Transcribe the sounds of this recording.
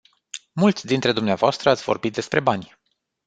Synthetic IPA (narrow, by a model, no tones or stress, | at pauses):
mult̪sʲd̪int̪ɾe̞d̪umneavoast̪ɾəat̪sʲvo̞rbit̪̚d̪e̞spɾe̞banʲ